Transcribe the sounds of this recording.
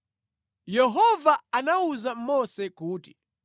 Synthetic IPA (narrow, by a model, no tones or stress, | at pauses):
jɛɦɔvaanauzam̩mɔsɛkuːti